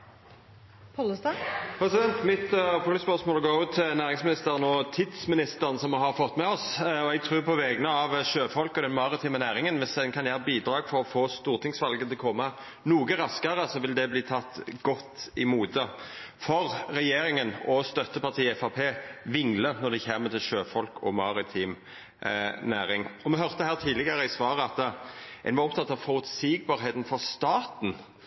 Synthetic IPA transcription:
pʰɔləst̪ɑpʰɾɛsɪd̪ɛnt̪mɪt̪əɑpʊəspœʁsmoːlɔɡoːʉːt̪ʰːɪlnæːʁɪŋsmɪnɪst̪əɾənɔt̪ʰɪd̪smɪnɪst̪əʁənəsɔmɛɦɑɾfɔt̪ːmɛɔsɔɛɡ̚t̪ʰʁʉːʁpʰɔʋɛɡənəɑʋʃøːfɔlkɔd̪ɛnmɑʁɪt̪ʰiːmənæːʁɪŋənʋɪsd̪ɛnkʰɑnjæːɾəbiːd̪ɾɑːɡfɔɾɔfoːst̪uːʁt̪ʰɪŋsʋɑlɡət̪ʰɪlkʰɔmːə | nuːɡəɾɑskəɾəsɔʋɪld̪ɛbliːt̪ʰɑt̪ːɡ̥ɔt̪ːɪmuːt̪ə | fɔʁɾɛjeːɾɪŋənɔst̪œt̪ːəpɑt̪ʰiːɛfɑpʰeːʋɪŋlənɔd̪ɛçeːmət̪ɪlʃøːfɔlkʰɔ̰mɑɾɪt̪ʰiːm | næːɾɪŋɔmɛɦœʁt̪əhæːʁt̪ʰiːlɪɡəɾəɪsʋɑːɾəɑt̪ːʔɛ̰nʋɑʁɔpt̪ɑt̪ːɑʋfɔɾʉt̪siːɡ̚bɑːɾɦeːt̪nfɔʁst̪ɑːt̪n̩

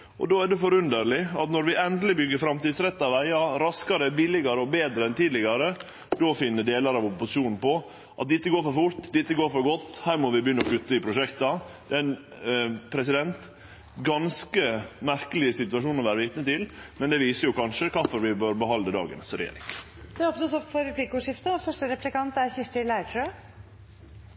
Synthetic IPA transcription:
ʔɔ̰d̪oːædɛfɔɾʉnd̪əɾɭɪɑt̪nɔɾʋɪʔɛnd̪lɪbʏɡːəɾfɾɑmt̪iːd̪sɾɛt̪ːɑʋæɪɑɾɑskɑɾəbɪlɪɡɑɾəɔbeːd̪ɾəɛnt̪iːd̪lɪɡɑɾə | d̪ofɪnːəd̪eːlɑɾɑʋʊpːʊsɪ̥uːnn̩pɔ | ʔɑt̪̚d̪ɪt̪ːəɡoːɾfɔɾfʊɾt̪d̪ɪt̪ːəɡoːɾfɔɾɡɔt̪ːhæːɾmɔʋɪbəjʏnːɔkʉt̪ːəɪpʰɾʊʂɛkt̪ɑd̪ɛn | pʰɾɛs̬ɪd̪ɛnt̪ | ɡɑnskəmæɾkəlɪsɪt̪ʉɑʂuːnɔʋæːɾəʋiːt̪nət̪ɪlmɛnd̪ɛʋiːsəjʊkɑnʂəkʰɑfɔɾʋɪbøːɾbəhɑnd̪əd̪ɑ̰ːɡə̰nsɾɛ̰jḛːɾɪ̰ŋ | d̪̥ɛoːpnəsɔpfɔɾɛpʰlikəʊʂɪft̪əfœʂʈəɾɛplɪkɑnt̪æɾçɪst̪ɪlæɪʈʰə

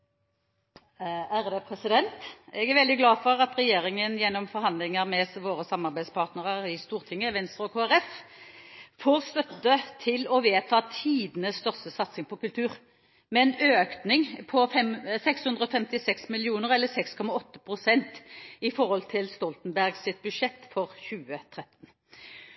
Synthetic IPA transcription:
æʁd̪ɛpʰɾɛsɪd̪ɛnt̪ɛɡæʁʋɛld̪ɪɡlɑːfɔɾɑt̪ʁɛjeːɾɪŋənjɛnːɔmfɔɾhɑnd̪lɪŋəʁmɛsʋoːɾəsɑmːɑʁbæɪspʰɑːʁt̪nəʁəʁɪst̪uːʁt̪ʰɪŋːəʋɛnst̪ʁəɔɡʰoːæɾɛf | foːʁst̪œt̪ːət̪ʰɪlɔʋeːt̪ʰɑːt̪ʰiːd̪ənəsst̪œʁst̪əsɑt̪sɪŋpʰɔkʉlt̪ʰʉːʁ | mɛɛnøːknɪŋpʰɔfɛmsɛkshʉnd̪ʁəɔːfɛmt̪ɪsɛksmɪlɪuːnəʁɛlːəsɛkskʰɔmɑɔt̪ːə̥pʰʁʊsɛnt̪ɪfɔʁɔlt̪ʰɪlst̪ɔlt̪n̩bæʁɡsɪt̪̚bʉʂɛt̪ːfɔʁçʉːət̪ʰʁɛt̪n̩

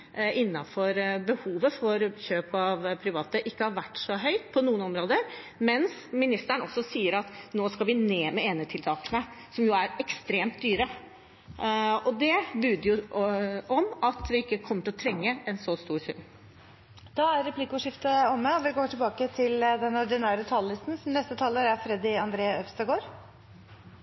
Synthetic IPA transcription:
ɪnːɑfɔɾbəhuːʋəfɔɾçøːpɑʋpʰɾɪʋɑːt̪əʔɪkːəhɑɾʋæʈːʂɔɦœʏt̪pʰɔnuːənɔmɾoːd̪əɾ | mɛnsmɪnɪst̪æɳəɔsːɔsiːəɾɑt̪noːskɑʋɪneːmɛeːnət̪ʰɪlt̪ʰɑːkənəsɔmjʊæɾɛkst̪ɾeːmt̪̚d̪yːɾə | ɔd̪ɛbʉːd̪əɾjʊ | ɔmɑt̪ʋɪɪkːəkʰɔmːəʈɪlɔt̪ʰɾɛŋːəɛnsɔst̪uːɾsʉ̰n | d̪̥ɑæɾɾɛpʰlɪkʊʂɪft̪əɔmːəɔʋɪɡoːʈʰɪlbɑːkət̪ʰɪld̪ɛnɔɖɪnæːɾət̪ʰɑːllɪst̪nsɔmnɛst̪ət̪ʰɑːləɾæɾfɾɛd̪ɪɑnd̪ɾeːœfst̪ɑɪɡoːɾ

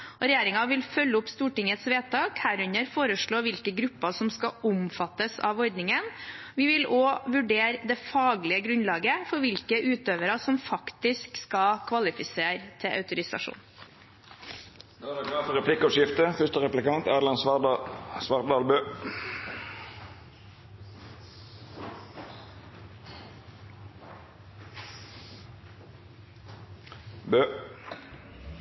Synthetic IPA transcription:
ɔɾɛjeːɾɪŋɑʋɪlfœlːəʊpst̪uːʈɪŋət̪sʋeːt̪ʰɑːkhæːɾʉɲəɾfoːɾəʂɭoːʋɪlkəɡɾʉpːɑsɔmskɑʊmfɑt̪ːəsɑ̰ːʋɔɾd̪nɪŋənʋɪʋɪloːʋʉɖeːɾd̪ɛfɑːɡlɪəɡɾʉnlɑːɡəfɔɾʋɪlkəʔʉːt̪øːʋəɾɑsɔmfɑkt̪ɪskskɑkʰʋɑlɪfɪseːɾt̪ʰɪʔœ̰ʉt̪ʊɾɪsɑ̰ʂṵːn | ɑd̪ɑɡɑːfəʁɛpʰlɪkːɔʂɪft̪əfœʂt̪əʁɛplɪkɑnt̪æːd̪lɑn | sʋɑʁd̪ɑːlbøː | bøː

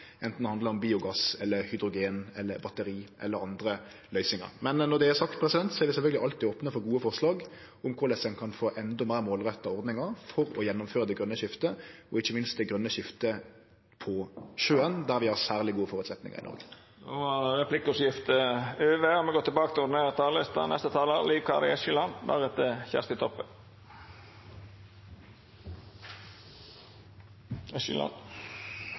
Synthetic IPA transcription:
ʔɛnt̪n̩hɑnd̪ləɾɔmbiːʊɡɑsɛlːəɾhʏd̪ɾʊɡeːnɛlːə̰ɾbɑt̪əɾiːʔɛ̰lːəɾɑnd̪ɾə | lœʏsɪŋɑ̰ɾmɛnːɔd̪ɛæsɑkt̪pʰɾɛsɪd̪ɛnt̪sɔæɾʋɪsɛlfœlɡəlɪʔɑlt̪iːoːpnəfɔɾɡuːəfɔʁʂlɑːɡ | ʊmkʰʊɾlɛsənkʰɑnfoːʔɛnd̪ɔmæɪɾmoːlʁœt̪ːɑɔɾd̪nɪŋɑɾfɔɾɔjɛnːʊmføːɾəd̪ɛɡɾœnːəʃɪft̪əɔɪçːəmɪnst̪̚d̪ɛɡɾœnːəɕɪft̪ə | pʰɔʃøːənd̪æʁʋɪhɑʁsæːʁlɪɡuːəfɔʁʉt̪sɛt̪nɪ̰ŋə̰ʁɪ̰nɔ̰ʁɡə | d̪ɛʋɑʁɛpʰlɪkːʊsjɪft̪əøːʋeːɔmɛɡɔt̪ːɛbɑːkət̪ɪʊd̪ɪneːʁət̪ʰɑːlest̪ɑ̰nɛ̰st̪ət̪ʰɑːləliːʋkʰɑ̰ɾɪ̰ɛʃɪlɑnb̪æ̰ʁɛt̪ːəçæ̰st̪ɪt̪ʰɔpːə | ɛʃɪ̰lɑ̰n

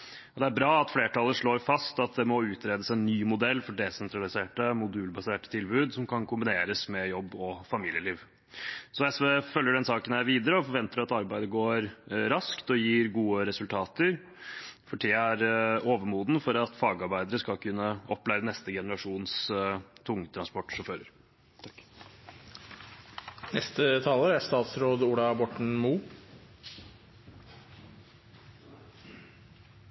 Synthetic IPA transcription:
ɔd̪ɛæɾbɾɑːɑt̪fleːʈʰɑlːəʂɭoːɾfɑst̪ɑt̪̚d̪ɛmɔʉːt̪ɾeːd̪əsɛnːyːmʊd̪ɛlːfɔɖɛsɛnt̪ɾɑlɪseːʈəmʊd̪ʉːlbɑseːʈə̥t̪ʰɪlbʉːd̪sɔmkʰɑnkʰʊmbɪneːɾəsmɛjɔbːɔfɑmiːlɪəliːʋ | sɔjæsɛfœljəɖɛnsɑːkənæɪʋiːd̪əɾəɔfɔɾʋɛnt̪əɾɑt̪ɑɾbæɪd̪əɡoːɾɾɑskt̪ɔjiːɾɡuːəɾɛsʉlt̪ʰɑːt̪əɾ | fɔʈʰiːæɾoːʋəmuːd̪nəfɔɾɑt̪fɑːɡɑɾbæɪd̪əɾəskɑlkʰʉnːəɔpːlæɪɾənɛst̪əɡɛnəɾɑʂuːnst̪ʰʊŋːət̪ʰɾɑnspɔʈːʂɔføːɾəɾ | nɛst̪ət̪ʰɑːləɾæɾst̪ɑːt̪sɾoːd̪uːɽɑbɔʈɳ̩muː

